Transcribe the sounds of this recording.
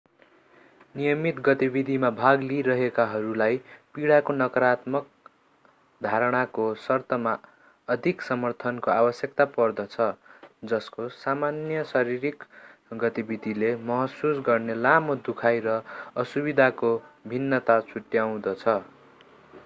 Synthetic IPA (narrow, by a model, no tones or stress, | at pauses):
nijʌmit̪ɡʌt̪ibid̪ʱimabʱaɡliɾʌɦekaɦʌɾulajpiɽakonʌkʌɾat̪mʌk̚ | d̪ʱaɾʌɽ̃akosʌrt̪ʌma | ʌd̪ʱiksʌmʌrt̪ʰʌnkoabʌsjʌkt̪apʌrd̪ʌt͡sʰʌd͡zʌskosamanjʌsʌɾiɾikɡʌt̪ibid̪ʱilemʌɦʌsusɡʌrnelamod̪ukʰajɾʌʌsubid̪ʱakobʱinːʌt̪at͡sʰuʈjaw̃d̪ʌt͡sʰʌ